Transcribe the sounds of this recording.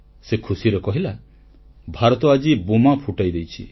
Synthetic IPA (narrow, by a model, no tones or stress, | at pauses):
sekʰusiɾekɔɦila | bʱaɾɔt̪ɔad͡ʒibumapʰuʈajd̪ejt͡ʃʰi